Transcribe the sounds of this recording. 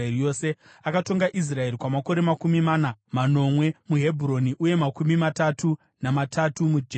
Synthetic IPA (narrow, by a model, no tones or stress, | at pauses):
ijo̞se̞ | akato̞ŋɡaʔis̬rae̞ɾikwamako̞ɾe̞makumimanamano̞mwe̞muɦe̞bʱuɾo̞niʔuje̞makumimatatʰu | namatʰatumud͡ʒe